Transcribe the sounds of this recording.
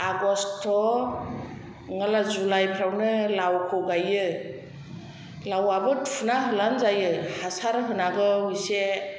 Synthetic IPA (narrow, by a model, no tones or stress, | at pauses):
aɡɔstʰːɔ | ŋalazulajpʰɾawnɯlawkʰɔɡajɯ | lawabɯtʰunaɦɯlanzajɯhasaɾɦɯnaɡɯujse